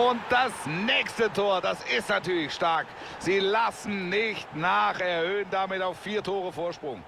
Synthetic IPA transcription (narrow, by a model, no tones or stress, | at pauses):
ʊnt̚d̥asnɛːçstətʰoːɐdasɪstnatyːɐlɪçʃtaɐk | z̥iːlasn̩nɪçtnaːχɛɐhøːəndamɪtaʊffiːɐtʰoːʁəfoːɐʃpʁ̥ʊŋ